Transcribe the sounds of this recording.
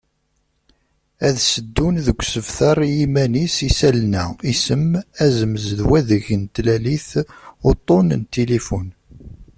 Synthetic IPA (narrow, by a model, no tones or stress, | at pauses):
æðsəd̪ːunðəɡʷsəvθɑɾˤjimænisisælnæisəmæzəməzðwæðəʝənt̪læliθot̪ˤːonnt̪elefun